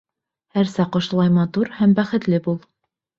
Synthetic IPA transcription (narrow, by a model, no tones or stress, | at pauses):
hæɾsæqŏʃ̆lˠɑjmɑt̪uɾhæmbæχɘ̆t̪lɘbulˠ